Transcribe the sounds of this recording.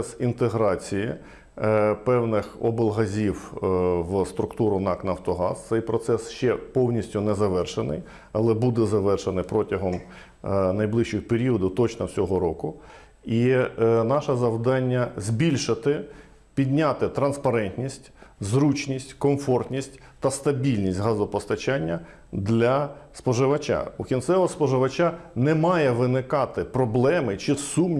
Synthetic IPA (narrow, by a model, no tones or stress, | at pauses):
ɛsint̪eɦɾɑt͡sʲijɪ̰ | pɛwnɪxɔbɪlˠɦɐzʲiwwst̪ɾʊkt̪uɾʊnɑknɐwt̪ɔɦɑ̰st̪sɛjpɾɔt̪sɛsʃt͡ʃɛpɔwnʲisʲtʲʊnɛzɐʋɛrʃenɪ̰j | ɐlˠɛbud̪ɛzɐʋɛrʃenɪpɾɔtʲɐɦɔm | nɐjblˠɪʃt͡ʃɪxpeɾʲiɔd̪ʊt̪ɔt͡ʃnɔwsʲɔɦɔɾɔkʊ | inɑʃɐzɐwd̪ɑnʲːɐzʲbʲilʲʃɪt̪ɪ | pʲid̪ʲnʲat̪ɪt̪ɾɐnspɐɾɛnt̪ʲnʲisʲtʲzɾut͡ʃnʲisʲtʲkɔmfɔrt̪ʲnʲisʲtʲ | t̪ɐst̪ɐbʲilʲnʲisʲtʲɦɑzʊpɔst̪ɐt͡ʃanʲːɐ | d̪lʲɐspɔʒɪʋɐt͡ʃa̰ukʲint̪sɛʋˠɐspɔʒɪʋɐt͡ʃanɛmɑjɛʋɪnɪkɑt̪ɪpɾɔblˠɛmɪt͡ʃɪsum